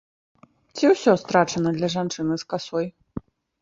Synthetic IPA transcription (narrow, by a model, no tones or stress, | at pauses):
t͡sʲiwsʲɔst̪ɾat͡ʂɐnɐd̪lʲɐʐant͡ʂɨnɨskasɔj